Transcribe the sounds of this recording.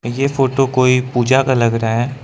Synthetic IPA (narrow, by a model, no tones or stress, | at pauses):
jefoːʈokoːipuːd͡ʒakalɐɡɾɐaɦɛː